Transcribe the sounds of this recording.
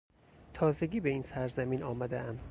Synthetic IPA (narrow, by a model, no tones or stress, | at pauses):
t̪ʰɒːze̞ɡʲiːbe̞iːnsæɾzæmiːnɒːmæd̪eæm